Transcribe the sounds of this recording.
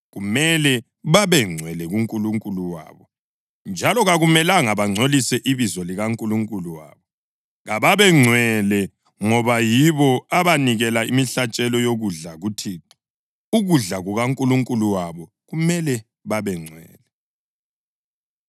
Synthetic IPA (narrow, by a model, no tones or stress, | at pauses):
ɣumɛlɛ | βaβɛŋ͡ǀʱwɛlɛɣuŋkʼuluŋkʼuluwa̰ːβɔ | nd͡ʒʱalɔɣaɣumɛlaŋaβaŋ͡ǀʱolisɛʔiβizɔliɣaŋkʼuluŋkʼuluwa̰ːβɔ | ɣaβaβɛŋ͡ǀʱwɛlɛ | ŋɔβajiβɔaβaniɣɛlaimiɬat͡ʃʼɛlɔjoɣuɮaɣutʰiːǀi̥ | uɣuɮaɣuɣaŋkʼuluŋkʼuluwaβɔ | ɣumɛlɛ | βaβɛŋ͡ǀʱwɛ̰ːlɛ